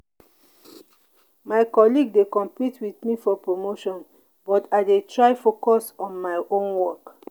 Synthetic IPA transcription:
maɪkɔliɡ̚dekɔ̃mpitʰwiθmifɔpɹomoʃɔ̃n | bɔtaɪdetɹaɪfokɔsɔ̃nmaɪʔõnwɔk

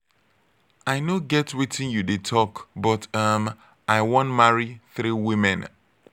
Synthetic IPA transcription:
aɪnoɡɛtwitʰĩnjudetʰɔkbɔtʌm | ʔaɪwɔ̃ntmaɹiθɾiwĩmɛ̃n

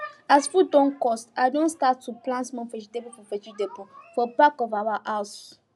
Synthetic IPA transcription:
asfudɔ̃nkɔstaɪdõnstatʰːuplãntmɔ̃nfɛt͡ʃidebufɔfɛt͡ʃidebufɔbakɔvawaʔas

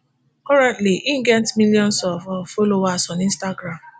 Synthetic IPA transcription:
kɔɾɛ̃ntliʔiŋ̩ɡɛntmiljɔ̃n̩sɔfɔfolowasɔnĩn̩staɡɾam

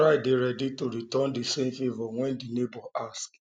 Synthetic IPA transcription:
aɪdeɾɛditoɾitɔndisẽmfevɔwɛ̃ndinebɔʔask

